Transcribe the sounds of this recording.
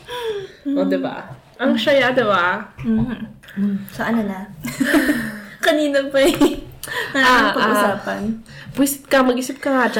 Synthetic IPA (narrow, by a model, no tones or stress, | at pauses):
ʔod̪ɛba̰ | ʔɐŋʃɐjad̪ɛbam̩ː | sɐʔɐnɐlɐ | kɐniːnɐpɐj | nɐapɐɡʔusaːpɐnbisɪp̚kɐmɐɡʔisɪp̚kɐŋad͡ʒa